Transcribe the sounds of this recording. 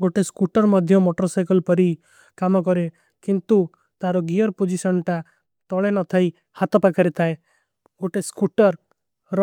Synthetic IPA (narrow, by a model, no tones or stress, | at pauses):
ɡoʈeskuʈɔɾmɔd̪ʱjɔmoʈɔɾsajkɔlpɔɾi | kamɔkɔɾe | kint̪u | t̪aɾɔɡiɔɾpod͡ʒisɔnʈa | t̪ɔɭenɔt̪ʰaj | hat̪ɔpakʰaɾet̪ʰae | ɡoʈeskuʈɔɾ | ɾɔ